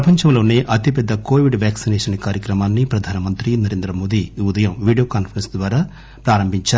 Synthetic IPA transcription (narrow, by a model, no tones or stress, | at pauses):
ɐpɐɲt͡ʃɐmlo̞ːneːʔɐt̪ipɛd̪ːɐko̞ːʋiɖʋjaːksinɛːʂɐnkaːɾjɐkɾɐmaːnːipɾɐd̪ʱaːnɐmɐnt̪ɾinɐɾeːnd̪ɾɐmoːd̪iːud̪ɐjɐmʋiːɖijoːkaːnpɐɾɐnsd̪ʋaːɾaː | pɾaːɾɐmbʱiɲt͡ʃaː